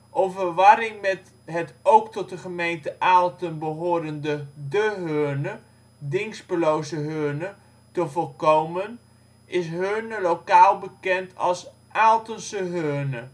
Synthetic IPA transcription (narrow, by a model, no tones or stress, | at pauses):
ʔɔmvərʋɑɾɪŋmɛt | ɦətowktɔt̚dəχəmejntəʔaːlˠtənbəɦoːɾəndədəɦøːnə | dɪŋspəlowzəɦøːnə | təvɔlˠkowmən | ʔɪsɦønəlowkaːlˠbəkɛntʰɑ̰lˠs | ʔaːlˠtənsəɦønə